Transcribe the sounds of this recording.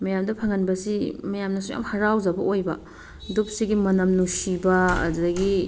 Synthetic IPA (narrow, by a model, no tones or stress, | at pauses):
mɐjamdɐpʰɐŋɐnbɐsimɐjamnɐsuja̰mhɐɾawd͡ʒɐbɐojbɐ | dup̚siɡimɐnɐmnusibɐɐ̰ddɐɡi